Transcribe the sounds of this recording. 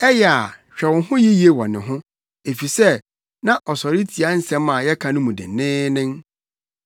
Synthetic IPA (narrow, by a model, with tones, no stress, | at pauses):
ɛ˦jɛ˨a˨ɕᶣɛ˨wʊ̃˨ɦʊ̃˦ji˦ji˨e˦wɔ˨nɪ̰̃˨ɦʊ̃˦ | e˨fi˨sɛ˦ | nã˦ʔɔ˨sɔ˨ɾi˦tʰi˨a˦n̩˦sɛ̃˦mã˨jɛ˦kʰã˨nʊ̃˦mũ˨dɪ̰˨nɪ̃ː˦nɪ̃˦m